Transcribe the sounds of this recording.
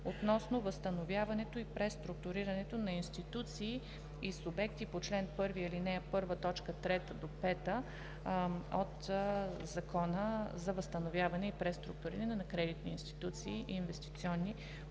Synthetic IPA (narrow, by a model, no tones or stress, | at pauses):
ot̪nɔsnovəst̪ənovjavɐnɛt̪oipɾɛst̪ɾuk̚t̪ʊɾiɾɐnɛt̪onɐinst̪it̪ut̪siː | isʊbɛkt̪ipot͡ʃlɛnpɤɾviilinɛəpɤɾvət̪ɔt͡ʃkət̪ɾɛt̪əd̪opɛt̪ə | ot̪zɐkʰɔnəzɐvəst̪ɐnovʲjavɐnɛipɾɛst̪ɾṵk̚t̪ʊɾiɾənɛnɐkɾɛd̪it̪niinst̪i̥t̪ut̪siːʔiːnvɛst̪i̥t̪siɔnːi